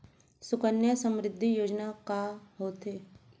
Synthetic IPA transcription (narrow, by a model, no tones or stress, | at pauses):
sʊkənjəsəmɾɪd̪ʱːijoːd͡ʒnakaɦoːt̪eː